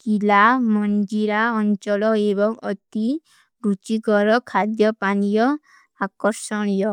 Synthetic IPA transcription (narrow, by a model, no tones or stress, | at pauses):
kilamɔnd͡ʒiɾaɔnt͡ʃɔlɔebɔŋɔt̪i | ɾut͡ʃikɔɾɔkʰad̪jɔpanijɔ | akɔɾsɔɽ̃jɔ